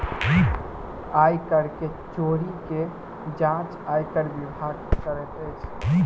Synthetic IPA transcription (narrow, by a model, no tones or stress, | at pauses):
ajkəɾke | t͡ʃoɾike | d͡ʒãt͡ʃ | ajkəɾbibʱaɡkəɾɛt̪əjt͡ʃʰ